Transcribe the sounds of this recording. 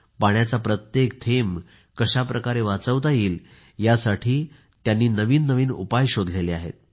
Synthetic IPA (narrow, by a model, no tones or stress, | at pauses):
paɳjat͡sapɾət̪jekt̪ʰem | kəɕapɾəkaɾeʋat͡səʋt̪ajiːl | jasaʈʰiː | t̪janːiːnəʋiːnːəʋiːnṵpajɕod̪ʱleleaɦḛt̪̚